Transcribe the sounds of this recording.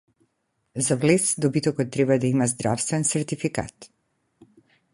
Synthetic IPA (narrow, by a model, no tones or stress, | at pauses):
zavlɛsd̪ɔbit̪ɔkɔt̪ːɾɛbad̪aimazd̪ɾafst̪vɛnsɛɾt̪ifika̰t̪